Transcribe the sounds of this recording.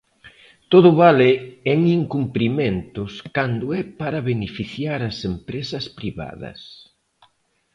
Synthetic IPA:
t̪oðʊβalɪeŋiŋkumpɾiment̪ʊskand̪ʊɛpaɾɐβenefiθjaɾɐsempɾesɐspɾiβa̰ðɐ̰s

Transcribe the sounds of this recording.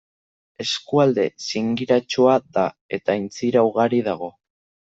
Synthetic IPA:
e̞skuald̪e̞̰siŋɡiɾat͡ʃuaða | e̞t̪aint͡siɾawɣaɾiðaɣ̞o̞

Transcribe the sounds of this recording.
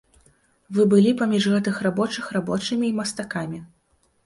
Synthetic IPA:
vɨbɨlʲipamʲiʐɣɛt̪ɨxrabɔt͡ʂɨxrabɔt͡ʂɨmʲiːmɐst̪akamʲi

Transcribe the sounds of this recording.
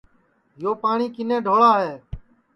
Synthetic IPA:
ɦɪjoːpaːɳiːkɪnẽːɖʱoːɭaːɦeː

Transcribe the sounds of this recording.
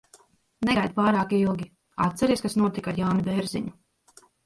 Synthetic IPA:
nɛɡajd̪̚paːɾaːkiilˠɡʲi | a̰t̪t̪sɛɾiɛskasnuɔt̪ikaɾjaːnibɛɾziɲu

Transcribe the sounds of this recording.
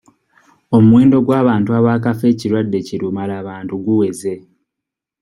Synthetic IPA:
o̞muwe̞ːndo̞ɡwaːβaːntuaβaːkafe̞ːciɾwadːe̞ciɾumalaːβaːntuɡuwe̞ze̞

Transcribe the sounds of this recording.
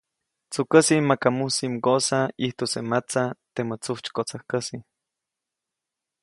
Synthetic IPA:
t͡sukəsimakamusimɡosaiht̪osemat͡sat̪emot͡suht͡ʃkot͡sahkəsi

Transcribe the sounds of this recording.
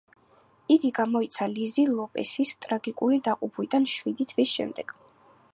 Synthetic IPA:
iɡiɡamɔit̪sʰalizilˠɔpʼɛ̰sist̪ʼɾaɡikʼulid̪aqʼupʰwid̪anʃwid̪it̪ʰwisʃɛ̰md̪ɛɡ̥

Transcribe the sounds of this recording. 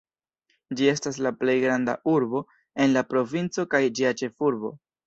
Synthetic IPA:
d͡ʒie̞staslaple̞jɡɾanda̰ʔuɾbo̞ | e̞nlapɾo̞vint͡so̞kajd͡ʒiat͡ʃe̞fuɾbo̞̰

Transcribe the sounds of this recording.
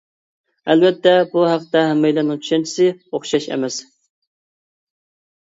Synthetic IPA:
ælbɛt̪ːɛbuɦæqt̪ɛɦɛmːɛjlænɪŋt͡ʃʰy̥ʃɛnt͡ʃʰɪ̥sɨoχʃɑʃɛ̰mɛs

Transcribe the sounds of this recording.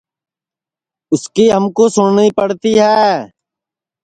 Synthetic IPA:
ʊskiːɦəmkosʊɳniːpəɽt̪iɦɛː

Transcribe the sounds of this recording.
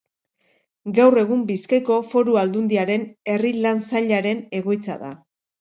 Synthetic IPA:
ɡawre̞ɣ̞umbiskajko̞fo̞ɾuald̪und̪iaɾe̞ne̞rilansaʎaɾe̞ne̞ɣ̞o̞jt͡sa̰ða̰

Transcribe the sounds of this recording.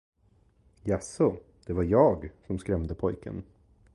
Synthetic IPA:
jasʊ | d̪̥ɛvaɾjɑːɡsɔmskɾɛmd̪əpʰɔjkʰə̰n

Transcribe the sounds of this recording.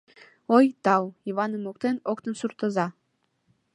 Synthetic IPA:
ojt̪ɑwiβɑnəmuk̚t̪enokt̪ənsurt̪ə̆zɑ

